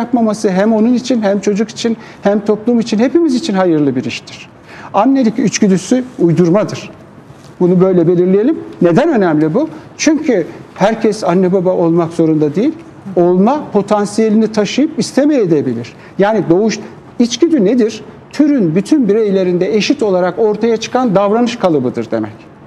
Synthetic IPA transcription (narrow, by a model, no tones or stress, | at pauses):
japmamasɯɦæmo̞nunit͡ʃʰinhæmt͡ʃʰo̞d͡ʒuki̥t͡ʃʰin | hæmt̪ʰo̞plˠumit͡ʃʰinhe̞pimizit͡ʃʰinɦajɯɾlˠɯbiɾiʃt̪ʰiɾ̥ | anːe̞lʲicyt͡ʃɟyd̪ysyujd̪uɾmad̪ɯɾ̥ | bunubø̞jlʲɛbe̞lʲiɾlʲijelʲimne̞d̪ænø̞næmlʲibut͡ʃʰyɲcʰyhæɾcʰɛsanːɛbabaʔo̞lˠmakz̥o̞ɾund̪ad̪ejilʲ | o̞lˠmapʰo̞t̪ʰansije̞lʲinit̪ʰaʃɯjɯpist̪ʰe̞mejed̪ebilʲiɾ̥ | jaːnid̪o̞uʃ | it͡ʃɟ̥yd̪yned̪iɾ̥ | t̪ʰyɾynbyt̪ʰynbiɾejlʲe̞ɾind̪ɛeʃit̪o̞lˠaɾako̞ɾt̪ʰajat͡ʃʰɯ̥kʰand̪avɾanɯʃkʰalˠɯbɯd̪ɯɾd̪e̞̰mɛc